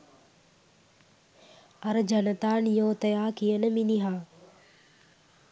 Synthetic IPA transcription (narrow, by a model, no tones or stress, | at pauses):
ɐɾəd͡ʒɐnət̪aːnjoːt̪ɐjaːkijənəminiɦãː